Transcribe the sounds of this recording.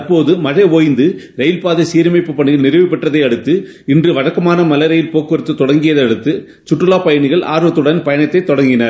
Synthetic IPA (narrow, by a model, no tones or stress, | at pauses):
ɐɾpoːðɯmɐɻeʋoːjɪnd̪ɯ | ɾɛjɪlpaːðɐsiːɾmɐɪpːɯpːɐɳːɯɣɪlnɪɾɐʋɪpːɐʈːrɐðɐɪɐɽɯt̪ːɯ | ɪndrɯʋɐɻɐkːɐmaːnɐmɐlɐɾɐjɪlpoːkːɯɾɯt̪ːɯt̪ːɔɽɐŋɡɪjɐðɐɽɯt̪ːɯ | t͡ʃʊʈːrɯlaːpɐjɐɳɪɣɐɭʔa̰ːɾɯʋɐt̪ːɯɽɐnpɐjɐnɐt̪ːɐɪt̪ːɔɽɐŋɡɪnɐɾ